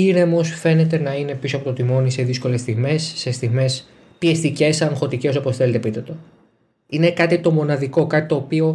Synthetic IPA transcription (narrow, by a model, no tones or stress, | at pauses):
iɾe̞mosfe̞ne̞t̪e̞nɐine̞pisoɐpot̪ot̪imo̞niseðisko̞le̞st̪iɣme̞sːe̞st̪iɣme̞s | piest̪ice̞sɐŋxo̞t̪ice̞so̞posθele̞t̪epit̪et̪o | ine̞kɐt̪it̪o̞mo̞nɐðiko̞kɐt̪i̥t̪o̞ːpio̞